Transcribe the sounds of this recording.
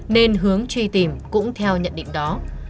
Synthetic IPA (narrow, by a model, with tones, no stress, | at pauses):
ne˧nɦɨ˨˦əŋt͡ɕwi˧t̪i˨˩mkʊ̰˧˥ŋ͡mt̪ʰɛ˧wɲə̰˧˨nɗḭ̈˧˨ŋ̟ɗɔ˨˦